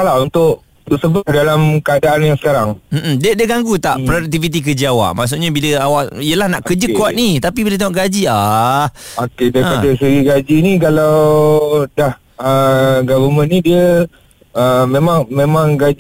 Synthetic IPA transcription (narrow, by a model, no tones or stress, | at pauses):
kalaunt̪ʊʔ | t̪ʊʔsəbadalamkəadaʔanjaŋsə̥kaɾaŋm̩ʔm̩diədiəɡaŋɡut̪aʔpɾoduk̚t̪ivit̪̬ik̬əd͡ʒiawa̰ʔmaʔs̬uʔɲabiləawaʔijəlahnaʔkəd͡ʒəkuat̪̚nit̪apibilət̪aŋoʔɡad͡ʒia | okedajipadasəɾiɡad͡ʒinĩkalaw | dah | əɡavəmənidiə | əmẽmãŋmemãŋɡad͡ʒ